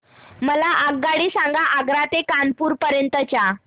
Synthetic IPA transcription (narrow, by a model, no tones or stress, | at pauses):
məlaʔaɡːaɽiːsãŋɡaʔaɡɾat̪ekanpuːɾpəɾjənt̪ət͡ɕja